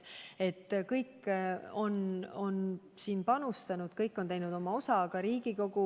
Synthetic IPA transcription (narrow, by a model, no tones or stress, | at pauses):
e̞t̪ːkɤjkːo̞no̞n | siːnpɑnust̪ɑnud̪̥kɤjkːˑo̞nt̪ejnud̪o̞mɑo̞sɑɡɑɾiːɡ̥iko̞ɡ̥u